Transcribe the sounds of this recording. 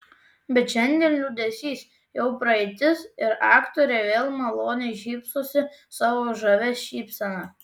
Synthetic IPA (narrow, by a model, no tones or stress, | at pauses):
bʲɛt̪ʃʲɛnʲd̪ʲiɛːnlʲuːd̪ʲɛsʲiːs | jɛʊpɾɐɛɪt̪ʲɪsɪɾɑːkt̪oːɾʲeːʋʲeːlˠmɐlˠoːnʲɛʃʲiːpsoːsʲɪsɑːʋoːʒɐʋʲɛʃʲiːpsɐnɑ